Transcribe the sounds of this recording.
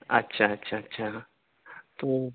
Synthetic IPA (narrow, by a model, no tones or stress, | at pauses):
a̰t͡ʃat͡ʃat͡ʃa | t̪u